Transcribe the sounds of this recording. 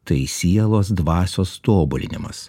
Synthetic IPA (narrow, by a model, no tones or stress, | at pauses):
t̪ɐɪsʲiɛlˠoːs̬d̪ʋɑːsʲoːst̪oːbʊlʲɪ̰nʲɪmɐ̰s